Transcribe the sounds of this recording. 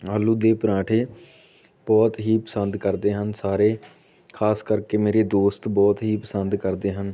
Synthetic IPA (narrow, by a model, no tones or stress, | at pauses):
aːlːuːd̪eːpəɾãːʈʰeː | b̥ɔːt̪ɦiːpəsənd̪kəɾd̪eːɦənsaːɾeː | kʰaːskəɾkeːmeːɾeːd̪oːst̪bɔːt̪ɦiːpəsənd̪kəɾd̪eːɦən